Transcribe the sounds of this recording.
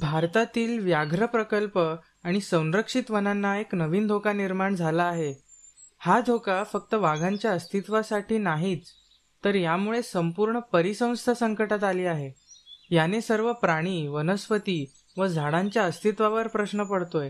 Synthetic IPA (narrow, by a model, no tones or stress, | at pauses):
bʱaɾt̪at̪iːlʋjaɡʱɾəpɾəkəlpə | aɽ̃isə̃w̃ɾəkʂit̪ʋənanːaeknəʋiːnd̪ʱokaniɾmaɳd͡zʱalaːɦe | had̪ʱokafək̚t̪əʋaɡʱãɲt͡ɕjaəst̪ʰit̪ʋasaʈʰiːnaɦiːt͡s | t̪əɾjamuɭesəmpuɾɳəpəɾisə̃w̃st̪ʰasəŋkəʈat̪aliːaɦejanesəɾʋəpɾaɽ̃iːʋənəsʋət̪iː | ʋəd͡zʱaɽaɲt͡ɕjaəst̪ʰit̪ʋaʋəɾpɾəsnəpəɽt̪oj